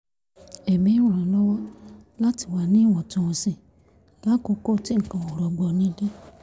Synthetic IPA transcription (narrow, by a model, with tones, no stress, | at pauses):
e˨mĩ˨˦ɾã˨lɔ˦wɔ˦la˦ti˨wa˨nĩ˦wɔ̃˨tɔ̃˨ɔ̃˨sĩ˨ | la˦ko˧˦ko˦˨ti˦˨kã˨wɔ˨ɾɔ˨ɡ͡bɔ˨nĩ˦de˦